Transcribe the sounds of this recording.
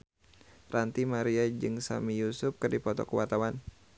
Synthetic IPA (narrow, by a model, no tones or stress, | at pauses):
rant̪imaɾiad͡ʒɨŋsa̰mijusʊp̚kɨrdipɔt̪ɔ̰kəwat̪awan